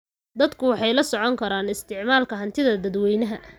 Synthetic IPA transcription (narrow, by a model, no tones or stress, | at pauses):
d̪ɐd̪kʰʊwɑħɑjlɐsɔʕɔŋkʰɐɾaːnɪst̪ʰɪʕmaːlkʰɐɦɐnt̪ʰɪðɐd̪ɐd̪wɛjnɐɦɐ